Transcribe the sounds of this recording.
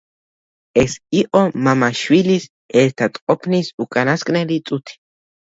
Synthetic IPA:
ʔesiʔomamaʃwilis | et̪ʰat̪ʼqʼopʰnisukʼanaskʼnelit͡sʼut̪ʰi̥

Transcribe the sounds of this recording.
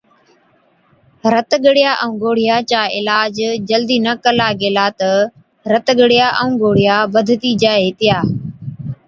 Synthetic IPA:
ɾət̪ɡəɽɪjaːʔəũːɡoːɽ̤ɪjaːt͡ʃaːʔɪ̰laːd͡ʒd͡ʒəld̪iːnəkəlaːɡeːlaːt̪ə | ɾət̪ɡəɽɪjaːʔəũːɡoːɽ̤ɪjaːbəd̪ʱt̪iːd͡ʒaːɦeːt̪ɪjaː

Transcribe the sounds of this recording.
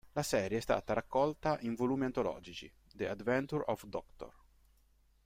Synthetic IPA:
lasɛːɾjest̪a̰ːt̪aɾakːɔlt̪aʔiɱvoluːmiant̪olɔ̰ːd͡ʒit͡ʃḭ | d̪ead̪vɛnt̪uɾɔfd̪ɔkt̪o̰r

